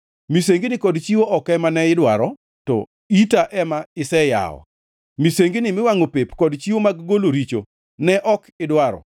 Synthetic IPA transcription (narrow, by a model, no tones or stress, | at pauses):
miseŋɡinɪkɔdt͡ʃiwoʔɔkɛmanɛɪdwaɾɔ | tɔ̰ | itaʔɛmaɪsɛja̰ɔ̰ | miseŋɡinɪmɪwaŋopepkɔdt͡ʃiwomaɡɡoloɾit͡ʃo̰ | nɛʔɔkɪdwaɾɔ̰